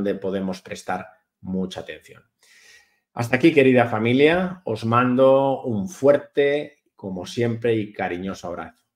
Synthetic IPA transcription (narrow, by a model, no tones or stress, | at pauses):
nd̪e̞po̞ð̞e̞mo̞spɾe̞st̪aɾ | mut͡ʃaːt̪e̞n̟θjo̰n | a̰st̪akike̞ɾiðafamiljaozmãnd̪o̞uɱfweɾt̪e̞ | ko̞mo̞sje̞mpɾe̞ikaɾiɲo̞soaβ̞ɾa̰θo